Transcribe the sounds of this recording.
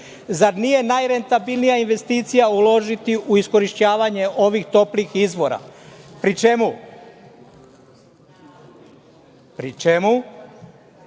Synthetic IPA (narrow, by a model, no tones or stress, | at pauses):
zaɾnije̞najɾe̞nt̪abilˠnijainʋe̞st̪iːt̪sijaulo̞ʒit̪iʔuisko̞ɾiʃt͡ɕaːʋaɲe̞ʔo̞ʋixt̪o̞plixizʋo̞ɾa̰pɾit͡ʃe̞mu | pɾit͡ʃemu